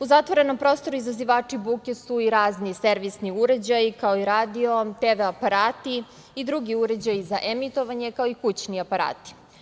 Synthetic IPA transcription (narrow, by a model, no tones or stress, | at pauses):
uzat̪ʋoɾe̞nompɾoːst̪o̞ɾuizaziʋaːt͡ʂibukʲesuiɾaːznise̞ɾʋisniuɾe̞d͡ʑajikaoiɾaːd̪io̞t̪eʋeapaɾaːt̪i | id̪ɾuɡiuɾe̞d͡ʑajizaʔemit̪o̞ʋaɲe̞kaoikut͡ɕniapaɾa̰ːt̪i̥